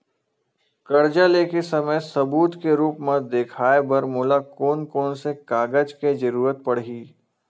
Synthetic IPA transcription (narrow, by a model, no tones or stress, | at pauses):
kɐɾd͡ʒaleːkesɐməjsɐbuːt̪keɾuːpmẽd̪eːkʰaːebəɾmoːlakoːnkoːnsekaːɡəd͡ʒked͡ʒəɾuːɾət̪̚pɐɽɦiː